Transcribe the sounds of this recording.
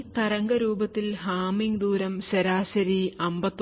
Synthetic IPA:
t̪ɐɾɐŋɡɐɾuːbɐt̪ːilɦaːmiŋɡd̪uːɾɐmɕɐɾaːɕɐɾiɐmbɐt̪ː

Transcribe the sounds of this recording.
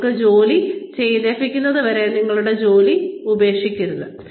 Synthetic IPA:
kːɨd͡ʑo̞ːlit͡ɕe̞jðeːfikʲːunːɐðɨʋɐɾeniŋːɐɭuɽe̞d͡ʑo̞ːliube̞ːkʂikʲːuɾuðɨ

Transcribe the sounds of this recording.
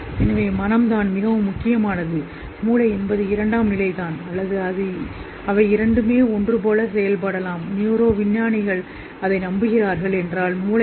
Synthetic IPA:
ɛnɐʋeːmɐnɐmd̪aːnmɪɣɐʋɯmːʊkːɪjɐmaːnɐðɯ | muːlɐɪɛnbɐðɯɪɾɐɳɖaːmnɪlɐɪt̪aːnɐlːɐðɯɐðɯ | ɐʋɐɪɪɾɐɳɖɯmeːɔndrɯpoːlɐsɛjɐlpɐɽɐlaːmnjuːɾoːʋɪnjaːnɪɣɐɭ | ɐðɐɪnɐmbɯɣɪraːɾɣɐɭɛndraːlmuːlɐ

